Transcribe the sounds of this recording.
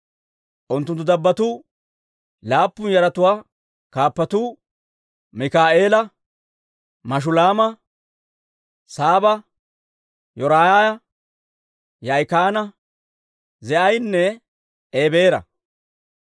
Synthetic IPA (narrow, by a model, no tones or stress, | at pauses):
ʔʊnt̪ːʊnt̪ːʊd̪ɐbːɐt̪ʊ | laːpːʊnjɐɾɐt̪ʊwaː | kaːpːɐt̪uː | mɪkaːʔe̞ːlɐ | mɐʃ̬ʊlaːmɐ | saːbɐ | jɔɾaːjaːjɐ | jɐjkaːnɐ | zɛʔɐjnːɛ | eːbe̞ːɾɐ̰